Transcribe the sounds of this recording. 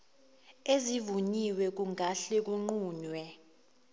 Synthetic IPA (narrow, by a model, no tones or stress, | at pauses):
ezivuɲiwɛk̬uŋaɬek̬uŋ͡ǃuːɲwɛ